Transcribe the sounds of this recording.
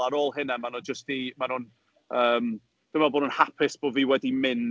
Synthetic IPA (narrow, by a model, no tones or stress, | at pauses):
aɾoːlˠɦɪnɛmanɔd͡ʒəstimanʊn | əːm | d̥ɪmaboːnʊnhapʰɪsb̥oviːwɛdimɪn